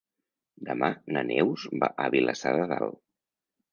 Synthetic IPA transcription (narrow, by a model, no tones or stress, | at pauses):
d̪əmanənʔɛwzbaʔəβiləsaðəðalˠ